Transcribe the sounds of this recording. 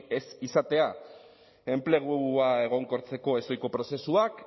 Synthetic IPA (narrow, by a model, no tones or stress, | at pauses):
esisat̪e̞a | e̞mple̞ɣ̞uae̞ɣ̞o̞ŋko̞ɾt͡se̞ko̞e̞so̞jko̞pɾo̞se̞suak